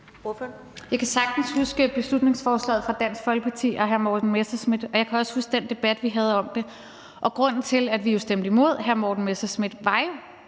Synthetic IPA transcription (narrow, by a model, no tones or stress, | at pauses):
jɑ̈ɪkʰæsɑ̈ɡ̥̚d̥n̩shusɡ̥əb̥e̝slud̥ne̝ŋsfɒːslɛ̰ːð̩ˠfʁɑ̈d̥æn̰sɡ̥fɒ̽lɡ̥əpʰɑ̈t͡sʰḭːɒɦæɐmɒːd̥n̩mesɐsmid̥ɒ̽jɑ̈kʰæɒ̽shusɡ̥̚d̥end̥e̝b̥æd̥ʋiɦæð̞̩ˠɒ̽md̥e̝ | ʔɒ̽ɡ̥ʁɔ̽n̰n̩t͡sʰe̝læd̥ʋijo̝sd̥em̰d̥imo̝ð̞̰ˠɦæɐmɒːd̥n̩mesɐsmid̥ʋɑ̈jo̝